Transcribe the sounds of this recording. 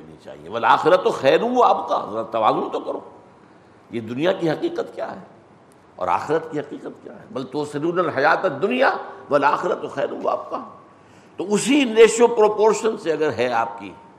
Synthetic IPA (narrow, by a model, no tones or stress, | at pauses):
nḭt͡ʃa̰ːɦḭjḛʋɐlaːxɪɾət̪ːoxɛːɾũaːpka̰zɐɾat̪ɐʋaːzʊnt̪okɐɾoː | jed̪ʊnijakiɦɐqiːqət̪kja̰ːɦɛː | ɔ̰ːɾa̰ːxɪɾət̪kiɦɐqiːqət̪kja̰ːɦɛ̰bɐlt̪oːsɪnuːnɐlɦɐjaːt̪ɛd̪ːʊnijaʋɐlaːxɪɾət̪ːoxɛːɾũa̰ːp̚ka | t̪oʊsineːʃopɾoːpoːɾʃənseɐɡəɾɦɛaːp̚kḭ